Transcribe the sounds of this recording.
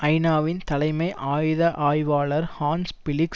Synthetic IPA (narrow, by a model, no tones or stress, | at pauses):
ʔɐɪnaːʋɪnt̪ɐlɐɪmɐɪʔaːjðɐʔaːjʋaːɭɐɾhaːnspɪlɪk